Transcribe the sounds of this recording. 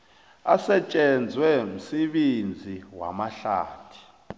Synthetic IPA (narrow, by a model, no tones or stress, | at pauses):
asɛt͡ʃʼɛnd͡zʱwɛm̩seɓend͡zʱiwa̰maɬa̰ːtʰi̥